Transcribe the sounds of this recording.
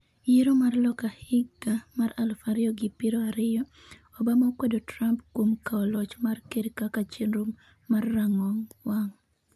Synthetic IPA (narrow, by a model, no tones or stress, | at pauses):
jeɾomarlɔkahɪɡamaralfaɾɪɔɡɪpiɾoaɾɪjɔ | ɔbamakwedotɾampkwomkaɔlɔt͡ʃmarkeɾikakat͡ʃenɾumː | arːaŋɔŋwaŋ